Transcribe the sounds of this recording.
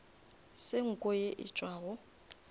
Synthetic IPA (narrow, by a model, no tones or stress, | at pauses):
sɪŋ̩kʼɔjeʔɪ̰t͡ʃʼwaːɣʊ